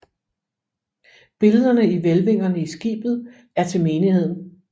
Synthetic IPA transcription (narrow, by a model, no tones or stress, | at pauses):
b̥e̝ləð̞ˠɐnəiʋelʋe̝ŋ̰ɐnəisɡ̥ḭːb̥ð̩ˠ | æɐt͡sʰe̝lme̝ːnihe̝ð̞̰ˠn̩